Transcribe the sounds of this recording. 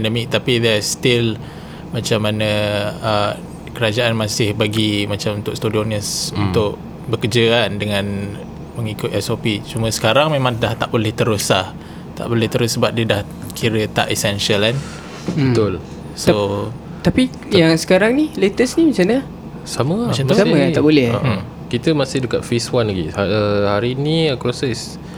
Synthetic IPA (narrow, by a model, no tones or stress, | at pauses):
pɛndəmik̚t̪apid̪ɛst̪ɪl | mat͡ʃamːanəə | kəɾad͡ʒaanmasɪhbaɡimat͡ʃamunt̪ʊkst̪udiɔnəsunt̪ʊʔ | bəkəd͡ʒəandəŋãn | məŋikʊt̪ɛsopit͡ʃumə̃sə̥kaɾaŋmemãŋdaht̪aʔbolɛht̪əɾuslah | t̪a̰ʔbolɛht̪əɾʊsəbap̚diədah | kʰiɾət̪a̰ʔisɛnʃəlan | bət̪ʊl | so | t̪api | jaŋsə̥kaɾaŋnilet̪əsnimit͡ʃalnə | saməmat͡ʃaasaat̪aʔbolɛha̰ʔə | kit̪əmasɪhdəkat̪̚fiswanlaɡiaəhaɾiniəkɾosəs